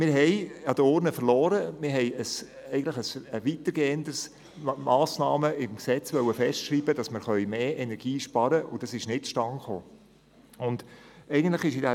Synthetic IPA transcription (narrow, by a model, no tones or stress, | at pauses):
mɪːɾɦɛjɑd̥̪əʊɾnəfəɾlɔːɾəmɪɾɦɛɪəs | ɛɪɡən̩tlɪχəsəʋit̪əɾɡ̥eɛnd̪əɾs | mɑːsnɑːməɪmksɛt͡sʋœwəfɛʃtʃɾiːbəd̥ɑsməɾχœʏmeːʔenɛɾɡ̥iːʃpɑɾəʔʊd̥ɑsɪʃnɪtʃtɑŋχoː | ʊnd̥ɛɪɡən̩t̪ˡlɪχɪʃɪdæ